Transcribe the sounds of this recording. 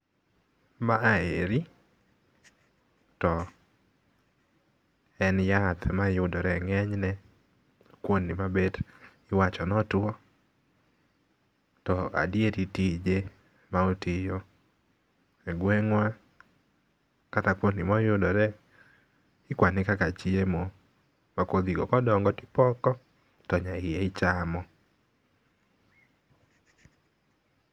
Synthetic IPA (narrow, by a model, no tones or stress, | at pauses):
maːḛɾi | tɔ | ɛnjat̪ʰmajʊdɔɾɛŋɛɲnɛ | kwonːimabed | ɪwat͡ʃɔnɔtwɔ | tɔa̰djeɾitid͡ʒe | maotɪjo | ɛɡwɛŋwa | katakwonɪmɔjʊdɔɾɛ | ɪkwanɪkakat͡ʃiemo | makod̪iɡɔkɔdɔŋɡɔtɪ̥pɔkɔ | tɔɲaɪjeɪt͡ʃamɔ